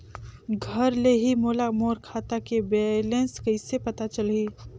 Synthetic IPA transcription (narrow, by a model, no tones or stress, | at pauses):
ɡʱəɾleɦimoːlamoːɾkʰaːt̪akebeːlẽnskɐɪsepɐt̪at͡ʃəliː